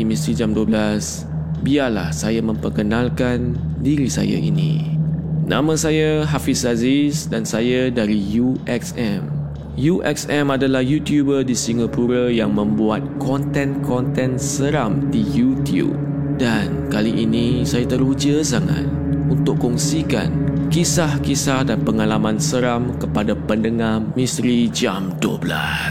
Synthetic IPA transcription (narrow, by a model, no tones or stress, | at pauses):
imĩst̪ɾid͡ʒamduəblas | biala̰hsajamə̃mpərkənãlkan | diɾisa̰ja̰ʔḭnḭ̃ | nʔã̰mə̃sajaɦafisazisdansajadaɾijuʔɛksɛm | juʔɛ̰ksɛ̃madalahjut̪jubədisiŋapuɾəjaŋmə̃mbuat̪̚kɔnt̪ɛ̃nkʰɔnt̪ɛ̃nsəɾamdijut̪jṵp̚ | dankaliʔinĩsajat̪əɾud͡ʒəsaŋa̰t̪̚ | unt̪ʊʔkːɔŋsika̰nkisahkisahdanpəŋalamãnsəɾamkəpadapəndəŋahmĩst̪ɾid͡ʒamdo̰bla̰ss